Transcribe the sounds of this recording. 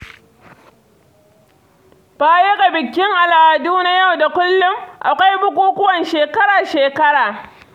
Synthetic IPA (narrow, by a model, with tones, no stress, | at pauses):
baː˦je˦ɡa˨bɪ˨kʲːɪ˦ŋʔa˨laː˨a˨duː˦na˦ja˦˨wda˨kʷʊ˦lːʊ˦mʔa̰˨kʷa˦jbʊ˦kʷuː˦kʷʊ˦wɐ˨nʃeː˨kɐ˦ɾaː˨ʃeː˨kɐ˦ɽaː˨